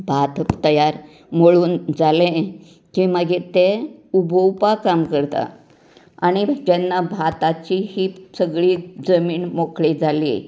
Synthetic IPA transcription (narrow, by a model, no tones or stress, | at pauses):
bʱat̪t̪əjaɾ | moɭuːnd͡zalẽ | kiməɡet̪ẽubʱəwpakamkəɾt̪a̰ | aɽ̃id͡ʑɛnːabʱat̪at͡ɕihiːsəɡɭiːd͡zəmiːnmokɭed͡zʱalḭ